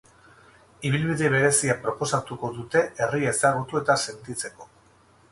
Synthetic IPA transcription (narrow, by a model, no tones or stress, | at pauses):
iβ̞ilβiðeβ̞e̞ɾe̞siapɾo̞po̞sat̪uko̞ðut̪e̞erie̞saɣ̞ut̪ue̞t̪ase̞nt̪it͡se̞ko̞̥